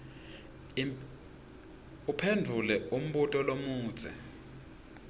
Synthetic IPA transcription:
upʰendʱulɛum̩ɓutʼɔlomu̥ːz̥ʱɛ̰

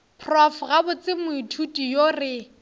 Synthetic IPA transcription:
pʰrɔfɣabʊt͡sɪmʊitʰutʼijorɪ

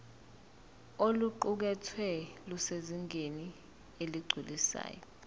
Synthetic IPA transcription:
oluǃuk̬ɛtʰwɛluseziŋʱeni | eliɡ͡ǀʱilisa̰ːjɔ

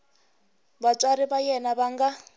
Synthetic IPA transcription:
batʼaɾiβajɛnaβaŋɡa

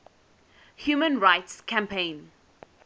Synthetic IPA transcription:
hjuːmə̃nɹaɪtskʰãmpʰẽɪ̃n

